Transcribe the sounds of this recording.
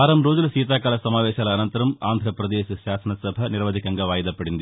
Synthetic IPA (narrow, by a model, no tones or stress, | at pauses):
ɐːɾɐmɾoːd͡ʒɐlsiːt̪̬aːkaːlɐsɐmaːʋeːʂaːlɐɐnɐnt̪ɐɾɐma̰ːnd̪ʱɾɐpɾɐd̪eːsɐɕaːsɐnɐsɐbʱɐnɪɾʋɐd̪ikːɐŋɡɐʋaːjðɐpːɐɽɪnd̪i